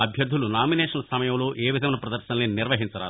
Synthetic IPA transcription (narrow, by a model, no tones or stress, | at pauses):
ɐbʱjɐɾd̪ʱulunaːminɛːʂɐnɐsɐmɐjɐmlo̞ːʔeːʋid̪ʱɐmɐnɐpɾɐd̪ɐɾʃɐnleːniɾʋɐɦint͡ʃɐɾa̰ː